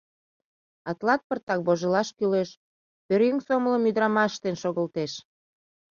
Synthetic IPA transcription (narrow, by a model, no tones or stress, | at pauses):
ɑt̪lɑt̪̚pərt̪ɑk̚boʒəlɑʃkyleʃ | pøɾyŋsomələmyd̪ɾɑmɑʃt̪enʃoɣəlt̪eʃ